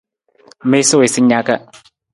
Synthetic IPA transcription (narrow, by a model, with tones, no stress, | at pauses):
me˦so˦e˨si˦ɲa˦ka˦